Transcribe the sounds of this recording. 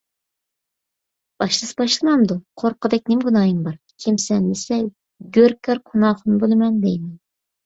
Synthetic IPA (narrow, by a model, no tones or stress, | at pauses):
b̥ɑʃlˠɨsbɑʃlˠɨmɑmd̪uqʰoɾqʰəd̪ɛk̚ʲnɪmɡunɑːjɨmbɑɾ | kʲʰimsɛnlɪsɛ | ɡʲøɾkʲæɾɡʰunɑːχʊnɨbolˠɨmɛnd̪ejmɛn